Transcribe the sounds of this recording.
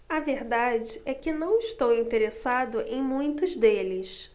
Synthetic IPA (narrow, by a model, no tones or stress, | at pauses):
ɐveɾd̪ad͡ʒɪɛkɪnɐ̃w̃ɪʃt̪owĩnt̪eɾesad̪ʊʔẽj̃mũj̃t̪ʊzd̪elɪs